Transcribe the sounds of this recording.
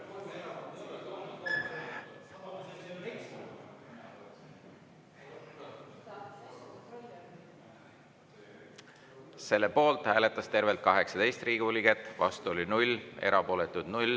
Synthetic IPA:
se̞lːe̞po̞ːlt̪hæːle̞t̪ːˑɑst̪e̞rvelt̪kɑɦe̞ksɑd̪e̞jst̪riːɡiuliɡet̪ːˑvɑ̰st̪uolinulʲːe̞̰ɾʔɑpo̞ːle̞t̪ːˑud̪̥nulʲ

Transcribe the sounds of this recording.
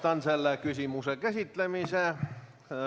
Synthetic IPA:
t̪ɑnselːekysimusekæsit̪ːlemise

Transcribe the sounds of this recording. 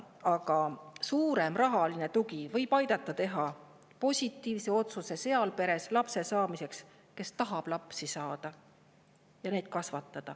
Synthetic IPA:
ɑɡɑsuːɾe̞mrɑɦɑline̞t̪uɡivɤ̞jb̥ɑjd̪̥ɑt̪ːˑɑt̪e̞ɦɑ | po̞sʲit̪ːˑiːvse̞o̞t̪suse̞se̞ɑlpe̞ɾe̞slɑpse̞sɑːmise̞ks | ke̞st̪ɑɦɑb̥lɑpsisɑːd̪̥ɑ | jɑne̞jd̪̥̚kɑsvɑt̪ːˑɑd̪̥ɑ

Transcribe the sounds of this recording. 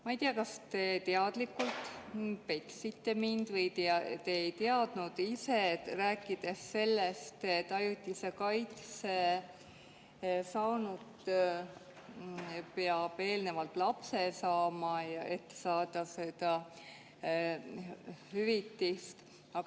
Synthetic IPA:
mɑijt̪iɑkɑst̪e̞t̪eɑd̪̥likːult̪peksit̪ːˑe̞mind̪vɤjt̪t̪eːjt̪eɑd̪̥nud̪̥isetræːkːˑid̪̥e̞sːe̞lːest̪et̪ːˑɑjut̪ʲːˑisekɑjt̪se | sɑːnut̪ | peɑb̥e̞ːlne̞vɑlt̪ˑlɑpse̞sɑːmɑjɑʔe̞t̪ːe̥sɑːd̪̥ɑse̞d̪̥ɑ | hyvit̪ːist̪ | ɑɡ

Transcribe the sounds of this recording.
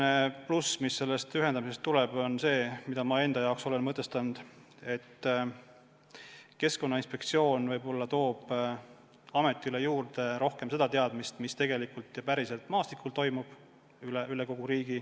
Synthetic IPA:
neplusmisːe̞lːest̪yɦend̪ɑmise̞st̪ːulɛb̥o̞nse̞ːmid̪̥ɑmɑe̞nd̪̥ɑjɑokso̞le̞nmɤt̪ːˑe̞st̪ɑnud̪̥ | e̞t̪ː | ke̞sko̞nːɑinspe̞kt̪sio̞ːnvɤjbo̞lːɑt̪o̞ːb̥ | ɑme̞t̪ːˑiylejuːrt̪e̞ɾo̞hke̞mse̞d̪̥ɑt̪eɑd̪̥mist̪mist̪e̞ɡe̞likult̪ːˑjɑpæɾise̞lt̪ˑmɑːst̪ikːult̪o̞jmub̥ | yleyleko̞ɡ̥uɾiːɡ̥i

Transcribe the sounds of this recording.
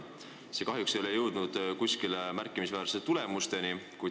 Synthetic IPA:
sekɑɦjuksejolejɤwd̪̥nud̪̥kusʲkilemærkːˑimisvæːɾset̪ːule̞must̪e̞nikuj

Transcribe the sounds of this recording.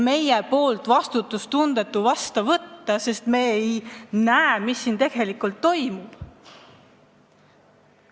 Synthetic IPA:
me̞jepo̞ːlt̪ˑvɑst̪ut̪ːˑust̪und̪̥e̞t̪ːˑuvɑst̪ɑvɤt̪ːɑse̞st̪me̞ːejnæemisːint̪e̞ɡ̥e̞likult̪ːo̞jmub̥

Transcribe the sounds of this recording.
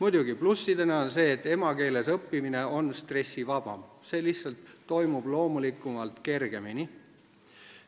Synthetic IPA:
mujd̪uɡiplusːid̪eneonse̞ːt̪ːˑe̞mɑke̞ːle̞sɤpːimine̞o̞nst̪re̞sʲːivɑb̥ɑ̰m | se̞ːlihsɑlt̪ːo̞jmub̥lo̞ːmulikːˑumɑlt̪ke̞rɡ̥e̞mini

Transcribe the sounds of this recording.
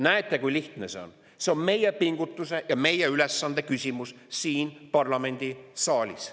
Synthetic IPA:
næet̪ːˑe̞kujliht̪ne̞se̞o̞̰n | se̞o̞nme̞je̞piŋɡ̥ut̪ːˑuse̞jɑme̞jeyle̞sːɑnd̪̥e̞kysʲimus | siːnpɑrlɑme̞nʲd̪̥isɑːlʲis

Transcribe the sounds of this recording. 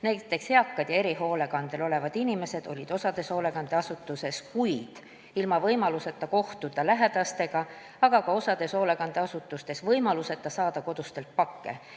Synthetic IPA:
næjt̪ːˑe̞kshe̞ɑkːɑd̪jɑe̞ɾiɦoːle̞ɡ̥ɑnd̪̥e̞lo̞le̞vɑd̪̥inʲime̞se̞d̪̥o̞lʲid̪̥o̞sɑd̪̥e̞so̞ːle̞ɡ̥ɑnd̪̥e̞ɑsut̪ːˑuse̞skujd̪̥ | ilmɑvɤjmɑluse̞t̪ːˑɑko̞ht̪ud̪̥ɑlæɦe̞d̪̥ɑst̪e̞ɡ̥ɑ | ɑɡ̥ɑkɑo̞sɑd̪̥e̞so̞ːle̞ɡ̥ɑnd̪̥e̞ɑsut̪ːˑust̪e̞svɤjmɑluse̞t̪ːˑɑsɑːd̪ɑko̞d̪̥ust̪e̞lt̪̚pɑkːe̞̰

